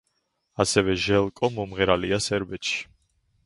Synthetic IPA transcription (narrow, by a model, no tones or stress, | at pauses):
asɛvɛʒɛlˠkʼɔmɔmʁɛɾaliasɛɾbɛt̪ʃi̥